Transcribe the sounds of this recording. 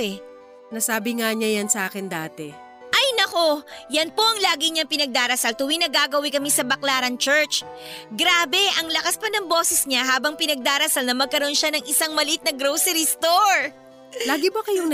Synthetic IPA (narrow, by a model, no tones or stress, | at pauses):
ɛ | nɐsaːbɪŋaɲajansɐʔaːkɪnd̪aːt̪ɛ | ʔɐjnɐko̞jɐnpo̞ʔɐŋlaːɡɪɲɐŋpɪnɐɡ̚d̪aːɾɐsalt̪ʊwinɐɡaːɡɐwɪkɐmɪsɐbɐklaːɾɐŋt͡ʃɛɹt͡ʃɡɾaːbɛʔɐŋlɐkaspɐnɐŋbo̞ːsɛsɲaɦaːbɐŋpɪnɐɡ̚d̪aːɾɐsalnɐmɐɡ̚kɐɾo̞nʃanɐŋɪsaŋmɐlɪʔɪt̪nɐɡɾowsɛɾist̪oɹ | laːɡɪbɐkɐjo